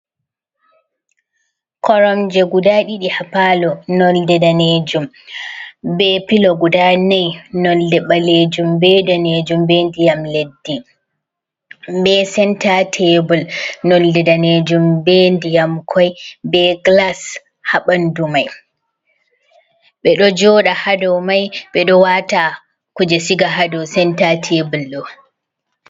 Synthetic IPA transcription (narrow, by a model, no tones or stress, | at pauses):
kɔɾɔmd͡ʒɛɡudaɗiɗihapalɔnɔldɛdaned͡ʒum | bɛpilɔɡudanajnɔldɛɓaled͡ʒumbɛdaned͡ʒumbendijamledːi | bɛsɛntatʰebɔlnɔldɛdaned͡ʒumbeːndijamkʰɔjbɛɡlas | haɓandumaj | ɓɛɗɔd͡ʒɔːɗahadɔwmajɓɛɗɔwata | kud͡ʒɛsiɡaɦadɔsɛntatʰebulɗɔ